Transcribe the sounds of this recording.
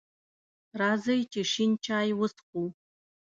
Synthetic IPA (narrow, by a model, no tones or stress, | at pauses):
razɐjtʰeʂint͡ʃʰaːjwʊsqʷʼu